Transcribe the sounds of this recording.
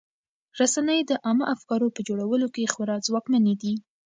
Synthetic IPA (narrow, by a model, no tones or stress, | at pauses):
ɾasanəjd̪əʔɑməʔafkɑɾopəd͡ʒoɽawəlokexwʊɾɑzwɑkmaned̪i